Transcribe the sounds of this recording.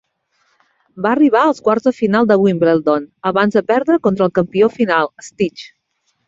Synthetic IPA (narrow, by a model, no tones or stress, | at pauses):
baəriβ̞aəlˠskwaɾzðəfinalˠd̪əβwuimbɾelˠd̪onəβanzðəpɛɾðɾəkont̪ɾəːlˠkəmpiofinalˠəst̪it͡ʃ